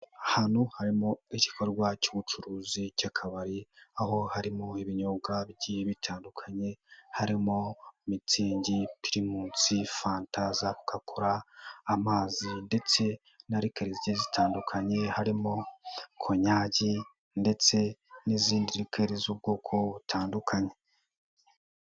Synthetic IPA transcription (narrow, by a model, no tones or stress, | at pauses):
ahan̥huhaɾimoici̥kʰoɾɡwacuβut͡ʃuɾuːzicakʰaβaɾiaho̞haɾimoiβiɲoːɡabɟiβitʰaːndukʰaɲe̞haɾimomit͡siːɲɟipiɾimuːt͡sifaːntazaβukʰakʰuɾaːmaːzinde̞t͡se̞ | naɾikeɾeziɟizitʰaːndukʰaɲe̞haɾimokʰoɲaːɟi | nde̞t͡se̞niziːndiɾikʰeɾezub̚ɡoːkʰo̞βutʰaːndukʰaɲe̞